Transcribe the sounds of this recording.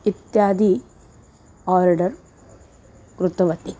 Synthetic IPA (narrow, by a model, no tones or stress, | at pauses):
it̪jaːd̪i | aːɾɖɐɾ | kɾut̪ɐʋɐt̪i